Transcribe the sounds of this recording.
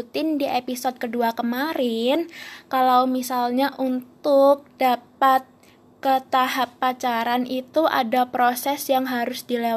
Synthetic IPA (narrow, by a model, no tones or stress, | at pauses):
t̪ɪndiʔepisɔd̪̚kəduakəmaɾɪnkalawmisalɲaʔunt̪ʊk̚d̥apat̪̚ | kət̪aɦapːat͡ʃaɾanit̪uʔa̰dapɾosɛsjaŋɦaɾʊsdilew